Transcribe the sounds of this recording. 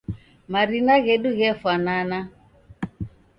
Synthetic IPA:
maɾinaɣɛɗuɣɛfanana

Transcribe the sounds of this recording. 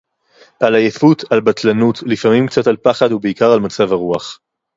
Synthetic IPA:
ʔalajefutalbat̪lanutlifamimkt͡satalpaχad̪ubeikaʁalmat͡savhaʁuaχ

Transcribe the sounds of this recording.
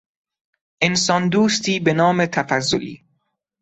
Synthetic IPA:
ʔensɒnd̪uːst̪iːbenɒːmet̪ʰæfæzːo̰lḭː

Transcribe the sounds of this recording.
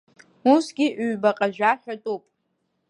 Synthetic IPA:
usɡʲiʔɥbaqʼaʒᶣaħʲʷᶣatʼupʼ

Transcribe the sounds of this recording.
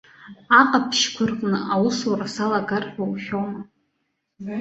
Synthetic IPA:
aqʼapʰʃkʷʰʊrqʼnɨʔawʊsarasalaɡarħʷᶣawʃʲᶣoma

